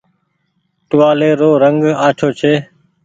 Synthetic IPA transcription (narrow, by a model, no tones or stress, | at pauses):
ʈʊʋaːleːɾoːɾəŋɡaːt͡ʃʰoːt͡ʃʰeː